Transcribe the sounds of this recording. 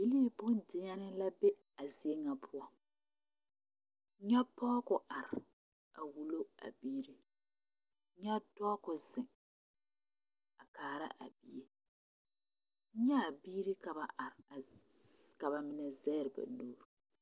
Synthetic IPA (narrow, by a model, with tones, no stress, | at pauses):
i˦li˦bʊ˦n˨dɪ˦ɲa˦nɪ˦la˦be˦ | a˨zi˦e˦ŋa˨pʰʊ˦a˦ | ɲɛ˦pɔ˦kʊ˨ʔa˨ɾɪ˨ | a˨wu˦lo˦a̰˨biː˦ɾi˦ | ɲɛ˦dɔ˦kʊ˨zɪ˨ŋ | a˨kaː˨ɾa̰˦ʔa̰˨bi˨je˦ | ɲa˦˨biː˦ɾi˦ka˨ba˨ʔa˨ɾɪ˨ | ka˨ba˨mɪ˨nɛ˨zɛ˦ɾɪ˨ba̰˨nuː˦ɾu˨